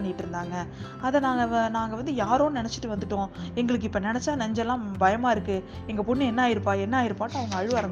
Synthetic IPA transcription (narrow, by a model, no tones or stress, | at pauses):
ɐɳːɪʈːɯɾɯnd̪aːŋɡɐ | ɐðɛnaːŋɡɐnaːŋɡɐʋɐnd̪ɯjaːɾõːnɪnɛt͡ʃːɪ̥ʈːɯʋɐnd̪ɯʈːõɛŋɡɐɭɯk̬ːɯɪpːonɪnɛt͡ʃːaːnɐɲd͡ʒɛlːãːbɐjɐmaːɪɾɯkːɯ | ɛŋɡɐpʊɳːɯɛnːɐaːjɪɾɯpːaːɛnːaːjɪɾɯpːaːʈːɯɐʋɐŋɡɐːɻʋɯaːɾɐmb